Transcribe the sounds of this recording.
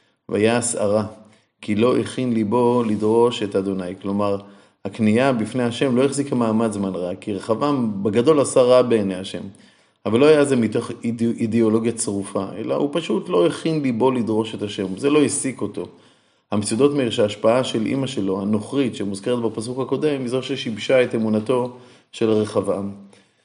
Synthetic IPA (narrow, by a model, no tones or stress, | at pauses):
veajaːsa̰ʁa | kilo̞ʔeχinlibo̞lid̪ʁo̞ʃe̞tad̪o̞najklo̞maʁ | hakniabifnejhaʃe̞mlo̞eχzikamaːmadzmanʁakːiʁeχavabeɡado̞lasaʁabe̞ːnejaʃe̞̰m | avalːo̞hajaze̞mito̞χid̪eo̞lo̞ɡjat͡sʁufaʔe̞̰la̰hupaʃut̪lo̞eχinlibo̞lid̪ʁo̞ʃe̞t̪aʃe̞mze̞lo̞jisiko̞to̞ | hamet͡sud̪o̞t̪meiʁʃaːʃpaaʃe̞lʔḭmaʃe̞lo̞hano̞χʁit̪ʃemuzke̞ʁet̪̚bepasukhako̞de̞mizo̞ʃeʃibʃae̞temunato̞ | ʃe̞laʁeχavam